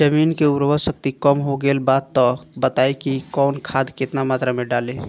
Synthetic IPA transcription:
d͡ʒəminkeuɾʋəsək̚t̪ikəmɦoɡelbad̪t̪ːɔbət̪aekikɔːnkʰad̪ket̪namat̪ɾameɖale

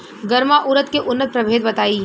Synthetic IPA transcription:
ɡɐɾmaʔʊɾət̪keʔʊnːət̪̚pɾɐbʱeːd̪̚bɐt̪aːi

